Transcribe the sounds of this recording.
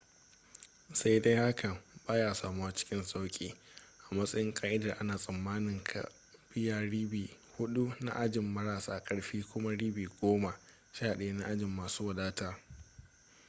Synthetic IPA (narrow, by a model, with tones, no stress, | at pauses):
sa˦jda˦jha˦kʰɐ˨baː˦jaː˦˨saː˨mu˦a˨t͡ʃɪ̥˦kʲɪ˦nsʼa˦wkʲʼiː˦ʔa˨mɐ˦sʼɐ˦jɪ˦ŋkʼaː˦ʔɪ˦da˨ʔa˦naː˨sʼɐ˨mːaː˦nɪ˨ŋkʰa̰˨ | b̥ɪ˦jaː˨ɽiː˦biː˨ | hʊ˦ɗu˦na̰˦ʔa˦d͡ʒɪ˨mːɐ˦ɾaː˨saː˨kʼɐ˨ɽɸiː˦kʷʊ˦ma˦ɽiː˦biː˨ɡʷoː˦ma˨ | ʃaː˦˨ɗe˨˦na˦ʔa˦d͡ʒɪ˨mːaː˨suː˦wa˨daː˦taː˦